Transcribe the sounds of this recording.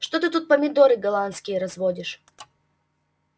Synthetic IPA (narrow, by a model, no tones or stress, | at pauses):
ʂt̪ot̪ɨt̪ut̪̚pəmʲɪd̪oɾɨɡɐlˠant̪skʲɪjəɾɐzvodʲɪʂ